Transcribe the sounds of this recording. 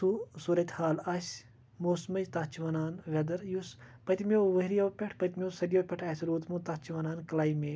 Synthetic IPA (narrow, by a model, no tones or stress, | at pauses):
usuːɾɐt̪ʲhaːlɐs | moːsmɐd͡ʒt̪ɐt͡ʃʰiʋɐnaːnʋʲɐd̪ɐɾjuspɐt̪ʲimʲoʋɐɦɾijowpʲɐʈʰpɐt̪ʲmʲoːsɐɾjoːpʲeʈʰɐːsɾuːt̪mut̪ɐt͡ʃʰiʋɐnaːnkɐlaːimeː